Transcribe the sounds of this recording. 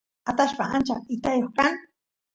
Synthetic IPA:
at̪aʃpaant͡ʃa̰ɪt̪ajoχkaŋ

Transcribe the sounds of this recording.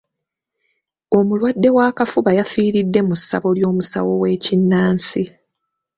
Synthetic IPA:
o̞mulwadːe̞waːkafuβajafiːɾidːe̞musa̰βo̞ljo̞ːmusa̰wo̞we̞ːcinːaːnsi

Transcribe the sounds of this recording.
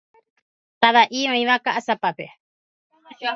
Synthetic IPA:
t̪aβaʔiõĩʋakaʔasapape

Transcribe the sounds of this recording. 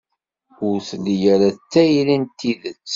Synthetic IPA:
ʊɾθlijæɾæt͡sːæjlint̪ːiðət͡sː

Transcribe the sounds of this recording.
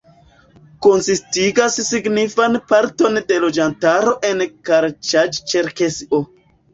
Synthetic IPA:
konsistiɡasːiɡnifanpaɾto̞nde̞lo̞d͡ʒantaɾo̞ʔe̞nkaɾt͡ʃad͡ʒt͡ʃeɾkeso

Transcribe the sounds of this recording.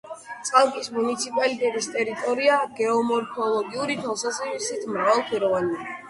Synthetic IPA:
t̪sʼqʼalˠkʼismunit̪sʰipʼalit̪ʼɛt̪ʼist̪ʼɛɾit̪ʼɔɾiaɡ̥ɛɔmɔɾkʰɔlˠɔɡiuɾit̪ʰɛlˠsazɛvisit̪ʰmɾavalˠpʰwiɾɔvania

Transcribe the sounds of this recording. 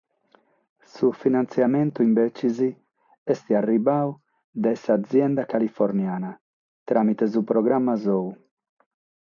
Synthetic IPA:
sufinant̪sjamɛnt̪uimbɛt͡ʃizi | ɛst̪iarːibau | d̪ɛsaːd̪zːjɛnd̪akalifɔɾnjaːna | t̪ɾʔaːmit̪ɛzupɾɔɡɾamːazɔu

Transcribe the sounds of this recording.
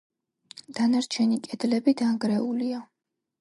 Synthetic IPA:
d̪̥anaɾt͡ʃʰɛnikʼɛd̪lɛbid̪aŋɡɾɛulia

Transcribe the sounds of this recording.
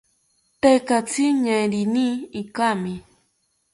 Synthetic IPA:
t̪ekat͡siɲajɾiniikami

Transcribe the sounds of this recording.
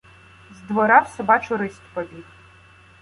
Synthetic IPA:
zd̪ʋɔɾawsɔbat͡ʃʊɾɪsʲt̪ʲpɔbʲix

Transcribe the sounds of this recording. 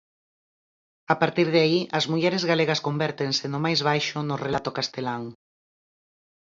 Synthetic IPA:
apaɾt̪iɾðeaiʔɐzmuʎɛɾezɣaleɣ̞ɐskombɛɾt̪eŋsɪnʊmajzβ̞ajʃʊnʊrelat̪okast̪elaŋ

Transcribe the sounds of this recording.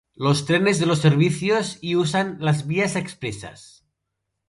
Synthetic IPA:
lost̪ɾenezðelosːeɾβ̞iθjosiusanlazβiasekspɾesa̰s

